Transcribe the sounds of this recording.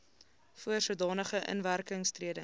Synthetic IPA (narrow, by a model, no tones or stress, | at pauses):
fuərsuədɑːnəχəʔə̰nværkəŋstriədə